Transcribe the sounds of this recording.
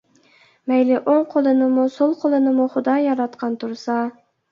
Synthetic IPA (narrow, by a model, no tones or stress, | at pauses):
mæjlɪʔoɴqʰolˠɨnɪmʊsolˠqʰolˠɨnɪmʊχʊd̪ɑjɑɾɑt̪qɑnt̪ʰʊɾsɑ